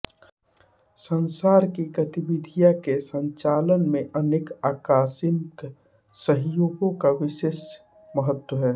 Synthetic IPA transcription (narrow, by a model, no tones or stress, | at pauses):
sənsaːɾkiɡət̪ɪbɪd̪ʱijakesə̃ɲt͡ʃaːlənmẽʔəneːkaːkaːsɪnk | səɦjoːɡõkaʋɪʃeːʃ | məɦət̪wəɦɛː